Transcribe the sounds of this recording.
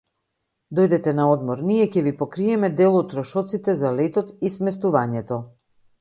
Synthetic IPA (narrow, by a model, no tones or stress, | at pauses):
d̪ɔjd̪ɛt̪ɛnaɔd̪mɔɾnijɛcɛvipɔkɾiɛmɛd̪ɛlˠɔt̪ːɾɔʃɔt̪sit̪ɛzalɛt̪ɔt̪ismɛst̪uvaɲɛt̪ɔ